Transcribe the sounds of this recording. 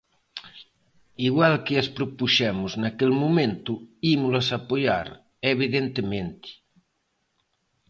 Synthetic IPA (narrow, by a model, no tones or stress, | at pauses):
iɣwalkeaspɾopuʃɛmuznakelmumẽnt̪uimulasapoja̰ɾ | eβiðent̪emẽnt̪i̥